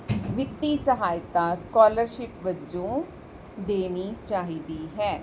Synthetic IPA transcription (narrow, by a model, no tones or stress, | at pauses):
ʋɪt̪ːiːsəɦaːɪt̪ãːskɔːləɾʃɪpʋəd͡ʒõː | d̪eːniːt͡ʃaːɦiːd̪iːɦɛː